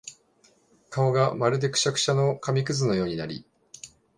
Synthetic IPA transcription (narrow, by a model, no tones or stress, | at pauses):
kaoɡamaɾɯ̟d̪e̞kɯ̟̥ɕakɯ̟̥ɕano̞kamʲik̬ɯ̟zɨno̞jo̞ːɲ̟ina̰ɾʲḭ